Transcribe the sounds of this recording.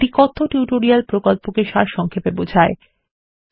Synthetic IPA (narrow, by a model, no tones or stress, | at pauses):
ʈikɔt̪ʰːoʈjuʈoɾialpɾokolpokeʃaɾʃɔŋkʰepebod͡ʑʱae